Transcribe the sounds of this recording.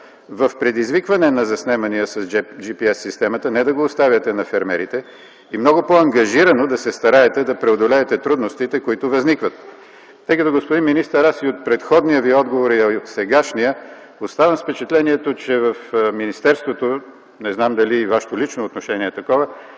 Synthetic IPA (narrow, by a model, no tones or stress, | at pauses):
vɐfpɾɛd̪izvikvɐnɛnɐzɐsnɛmɐnijəsɐsd͡ʒipiɛsːist̪ɛmɐt̪ənɛd̪ɐɡoːst̪avʲjɐt̪ɛnɐfɛɾmɛɾit̪ɛ | imnɔɡʊpoɐŋɡɐʒiɾɐnod̪ɐsɛst̪ɐɾaɛt̪ɛd̪ɐpɾɛod̪olɛːt̪ɛt̪ɾud̪nost̪it̪ɛkoit̪ʊvɐznikvɐt̪ː | ɤjkət̪oɡospʊd̪inminist̪əɾasiot̪̚pɾɛt̪xɔd̪nijəviɔd̪ɡovoɾiɐot̪sɛɡaʃnijə | ost̪avɐmspɛt͡ʃɛt̪lɛniɛt̪ot͡ʃɛvəfminist̪ɛɾst̪vot̪o | nɛznamd̪ɐliːvaʃɛ̥t̪olit͡ʃnoːt̪noʃɛniɛt̪ɐkɔvə